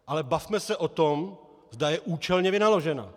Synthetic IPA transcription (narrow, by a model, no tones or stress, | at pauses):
ʔalɛbafmɛsɛʔo̞t̪o̞m | zdajɛʔuːt͡ʃɛlɲɛvɪnalo̞ʒɛna̰